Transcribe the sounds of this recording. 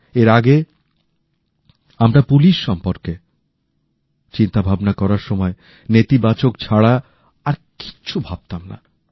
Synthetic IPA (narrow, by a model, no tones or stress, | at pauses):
eɾaɡe | amɾapuliʃːɔmpoɾke | t͡ɕint̪abʱabnakɔɾaɾʃɔmɔe | net̪ibat͡ɕokt͡ɕʰaɽaː | ɾki̥ɕʰubʱab̥̚t̪amna̰